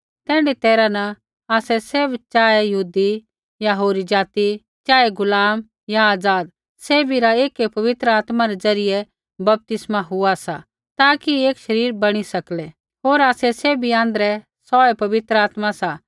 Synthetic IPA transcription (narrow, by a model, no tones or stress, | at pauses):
t̪ɛ̃ːɳɖit̪ɛːɾanɐ | aːsɛseːbt͡ʃaːejɐɦuːd̪i | jaɦoːɾid͡ʒaːt̪i | t͡ʃaːeɡʊlaːm | jaaːd͡zaːd̪ | seːbʱiɾaeːkepɐʋɪt̪ɾəaːt̪maɾɛd͡zɐɾɪjɛ | bɐp̚t̪ɪsmaɦʊasa | t̪aːkieːkʃɐɾiːɾbɐɽ̃isɐklɛ | ɦoːɾaːsɛseːbʱiãːnd̪ɾɛ | sɔːɛpɐʋɪt̪ɾəaːt̪masa